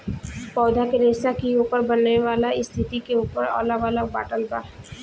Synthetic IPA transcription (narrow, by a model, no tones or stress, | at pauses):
pɔːd̪ʱakeɾesakiuːpəɾbɐnneʋaːlaɪst̪ʰɪt̪ikeuːpəɾɔ̰ːlaʋalaba̰ːʈəlba̰ːɾ